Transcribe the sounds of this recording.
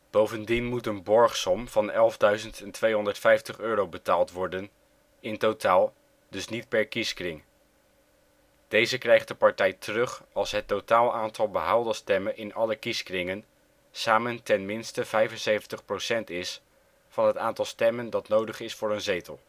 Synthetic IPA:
b̥owvəndinmutənbɔɹχsɔmvɑnɛlˠvdœɥzəntɛntʋejɦɔndəɹtfɛjftəχøːɾowbətaːlˠtʋɔɹdən | ɪntotʰaːlˠ | d̥ɵsnit̚pɛɹkiskrɪŋ | d̥ejzəkrɛjχt̚dəpɑɹtɛjtʰərɵχɑlˠsɦətowtaːlˠaːntʰɑlˠbəɦalˠdəstɛmənʔɪnɑləkiskrɪŋən | saːməntɛnmɪnstəv̥ɛjvənsejvəntəχprowsɛntɪs | fɑnɦətaːntɑlˠstɛməndɑtnowdəχɪsfʊːɹənzejtəlˠ

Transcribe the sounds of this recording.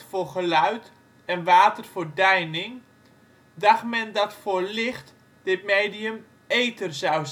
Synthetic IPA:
forχəlœɥt | ɛnʋaːtərfodɛjnɪŋ | daxmɛndɔtforlɪxt | d̥ɪtmeːdiəm | eːtərzaw

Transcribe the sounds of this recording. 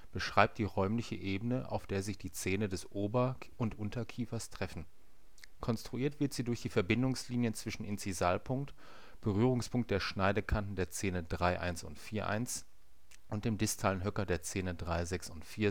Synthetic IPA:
b̥əʃʁ̥aɪp̚td̥iːʁɔʏmlɪçəʔeːbənəʔa̰ʊfd̥eːɐzɪçd̥iːt͡seːnədɛsʔoːbɐ | ʊntʔʊntɐkʰiːfɐstʁ̥ɛfn̩ | kʰɔnstʁ̥uʔiːɐtv̥ɪɐtz̥iːdʊɐçd̥iːfɛɐbɪndʊŋsliːnjənt͡sv̥ɪʃn̩ɪnt͡sizaːlpʰʊŋk̚t | b̥əʁyːʁ̞ʊŋspʰʊŋkt̚d̥eːɐʃnaɪdəkʰantn̩deːɐt͡seːnədʁaɪʔa̰ɪnsʊ̰ntfiːɐʔa̰ɪns | ʔʊnt̚d̥eːmdɪstʰalənɦœkɐdeːɐt͡seːnədʁaɪzɛksʊntfiːɐ

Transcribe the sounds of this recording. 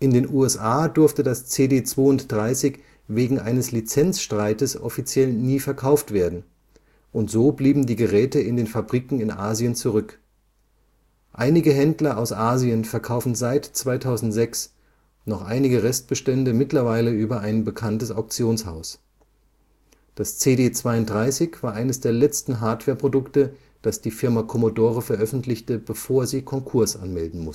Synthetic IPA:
ʔɪndeːnʔuːɛsʔaːdʊɐftədast͡seːdeːt͡sv̥oːʊntd̥ʁaɪsɪç | veːɡŋ̩ʔa̰ɪnəslit͡sɛnt͡sʃtʁ̥aɪtəsʔɔ̰fit͡sjɛlniːfɛɐkʰaʊftv̥eːɐdn̩ | ʔʊntz̥oːbliːbm̩diːɡəʁɛːtəɪndeːnfabʁiːkŋ̩ɪnʔaːziənt͡suʁʏk | ʔaɪnɪɡəɦɛndlɐʔaʊsʔaːziənfɛɐkʰaʊfn̩zaɪtt͡sv̥aɪtʰaʊzn̩tz̥ɛks | nɔχʔa̰ɪnɪɡəʁɛst̚b̥əʃtɛndəmɪtlɐvaɪləyːbɐʔaɪnbəkʰantəsaʊk̚t͡sjoːnsha̰ʊs | d̥ast͡seːdeːt͡sv̥aɪʊntdʁaɪsɪçv̥aːɐʔaɪnəsd̥eːɐlɛt͡stn̩ɦaɐtv̥ɛːɐpʁ̥odʊktə | d̥asd̥iːfɪɐmakʰɔmodoːʁəfɛɐʔœfn̩tʰlɪçtəb̥əfoːɐziːkʰɔŋkʰʊɐsʔa̰nmɛldn̩mʊs

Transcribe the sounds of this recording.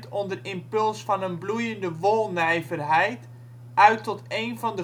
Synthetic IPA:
tɔndərɪmpɵlˠsfɔnənblujəndəʋolˠnɛjvərɦɛjt | ʔœɥtːɔteːnvɔndə

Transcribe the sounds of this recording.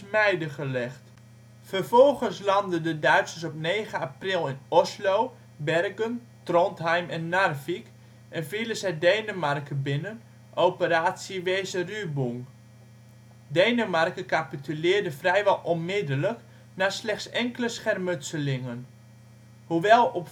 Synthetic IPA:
mɛjdəχəlɛχt | fərvɔlˠχənslɑndədədœɥtsəsɔpneːχəaprɪlˠɪnɔslow | bɛrɡən | trɔntɦɛjmɛnːarvik | ʔɛnviləsɛjdejnəmarkəbɪnən | ʔowpəɾaːtsiʋeːsərybuŋ | dejnəmarkəkapitylɪːrdəfrɛjʋɛlˠʔɔnmɪdələk | naːslɛχtsɛŋkələsχɛrmɵtsəlɪŋən | huʋɛlˠɔp

